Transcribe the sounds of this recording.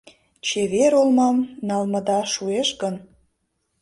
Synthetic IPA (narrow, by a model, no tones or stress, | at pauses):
t͡ɕeβeɾolmɑmnɑlmɤ̆d̪ɑʃueʃɡən